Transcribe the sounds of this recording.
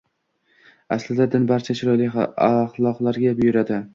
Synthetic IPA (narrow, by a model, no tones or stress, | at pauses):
aslɪd̪ad̪ɪnbaɾt͡ʃʰat͡ʃʰɪɾɒjlɪaχlˠɒqlˠaɾɡʲabʊjʊɾad̪ɪ